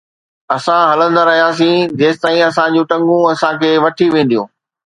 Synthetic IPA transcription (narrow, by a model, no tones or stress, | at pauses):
ɐsãɦɐlə̃nd̪aɾɐɦijaːs̬ĩːd͡ʑeːst̪aːĩɐsãd͡ʑũːʈɐ̃ŋɡũɐsãkʰeːʋɐʈʰiʋẽːnd̪ijṵ̃ː